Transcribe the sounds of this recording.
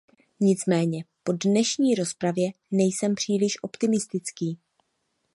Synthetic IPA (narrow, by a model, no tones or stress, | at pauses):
ɲɪt͡smɛːɲɛpo̞dnɛʃɲiːɾo̞spɾavjɛ | nɛjsɛmpr̝̥iːlɪʃʔo̞pt̪ɪmɪst̪ɪt͡skiː